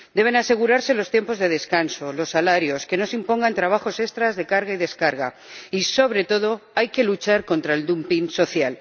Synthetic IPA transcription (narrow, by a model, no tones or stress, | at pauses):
d̪e̞β̞e̞nase̞ɣ̞uɾaɾse̞lo̞st̪je̞mpo̞zðe̞ðe̞skanso̞lo̞sːalaɾjo̞ske̞no̞simpo̞ŋɡant̪ɾaβ̞axo̞se̞st̪ɾazðe̞kaɾɣaiðe̞skaɾɣ̞a̰ | iso̞β̞ɾe̞t̪o̞ð̞o̞ajke̞lut͡ʃaɾko̞nt̪ɾaeld̪umpinso̞θjal